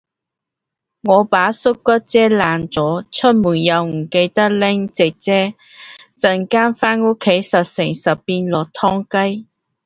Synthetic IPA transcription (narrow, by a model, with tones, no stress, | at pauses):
ŋɔː˨˧paː˨˥sʊ˥kːɐ˥t̚t͡sɛː˥laː˨˩nt͡sɔː˨˥t͡sʰɵ˥t̚muː˨˩njɐ˨˧wm̩˨˩ke˧jt̪ɐ˥lɪ˥ŋt͡sɪ˨k̚t͡sɛː˥ | t͡sɐ˨nkaː˥nfaː˥no˥kʰːe˨˥jsɐ˨t̚sɪ˨˩ŋsɐ˨˩ppiː˧nlɔː˨k̚t̪ʰɔː˥ŋkɐ˥j